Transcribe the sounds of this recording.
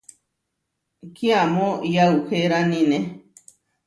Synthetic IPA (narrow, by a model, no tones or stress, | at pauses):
kiamõjauheɾanĩnẽ